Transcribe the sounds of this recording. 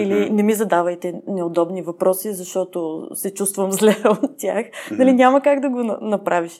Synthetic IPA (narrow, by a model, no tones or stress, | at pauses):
ilinɛmizɐd̪avəjt̪ɛnɛod̪ɔbnivɐpɾɔsizɐʃt̪ɔt̪osɛt͡ʃust̪vəmzlɛot̪tʲːa̰xnɐlinʲaməkaɡd̪ɐɡonɐnɐpɾʔaviʃ